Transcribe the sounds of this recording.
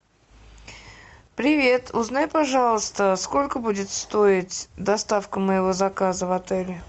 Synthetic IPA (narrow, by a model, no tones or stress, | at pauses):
pɾʲɪvʲe̞t̪ʰʊznajpɐʐɑlˠəst̪əsko̞lʲkəbudʲɪt̪st̪o̞ɪtʲd̪ɐst̪afkəməjɪvo̞zɐkazəvɐt̪ɛlʲɪ